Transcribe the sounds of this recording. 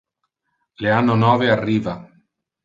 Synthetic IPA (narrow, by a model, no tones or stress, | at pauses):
leanːonɔːvearːiːva